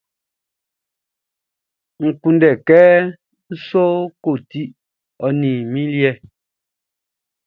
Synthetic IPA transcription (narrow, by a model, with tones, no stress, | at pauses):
ŋ̩˨ku˨ndɛ˨kɛ˦ | n̩˦so˦ko˦˨ti˦ | ɔ˨nĩ˨mĩ˦li˦ɛ˦